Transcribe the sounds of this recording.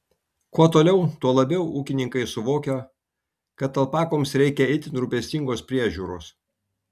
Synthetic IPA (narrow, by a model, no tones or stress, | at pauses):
kuɔt̪oːlʲɛʊt̪uɔlˠɐbʲɛʊuːkʲɪnʲɪŋkɐɪsʊʋoːkʲo | kɐt̪ɐlˠpɑːkoːmsɾʲɛɪkʲɛɪt̪ʲɪnɾʊpʲɛsʲt̪ʲɪŋɡoːspʲɾʲiɛʒʲuːɾo̰ːs